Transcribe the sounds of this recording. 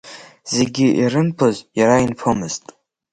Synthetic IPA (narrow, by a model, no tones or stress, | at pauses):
z̥e̞ɡʲiʔiɾɨnpʰozjaɾainpʰomɨz̥tʼ